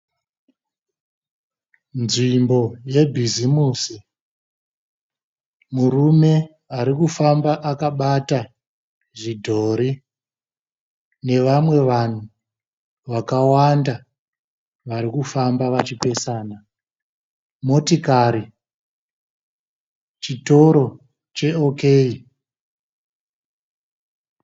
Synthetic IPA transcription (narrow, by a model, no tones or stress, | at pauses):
nʐimbo̞je̞bʱizimuːsi | muɾume̞ | aɾikufambaʔakaɓata | ʐidʱo̞ːɾi | ne̞ʋamwe̞ʋan̤u | ʋakawanda | ʋaɾikufambaʋat͡ʃipe̞saːna | mo̞tikaːɾi | t͡ʃito̞ɾo̞ | t͡ʃe̞okei